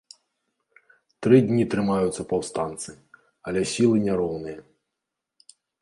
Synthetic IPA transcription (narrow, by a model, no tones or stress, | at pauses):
t̪ɾɪdʲnʲit̪ɾɨmajʊt̪sːɐpɐwst̪ant̪sɨ | ɐlʲɛsʲilˠɨnʲɛɾɔwnɨjɐ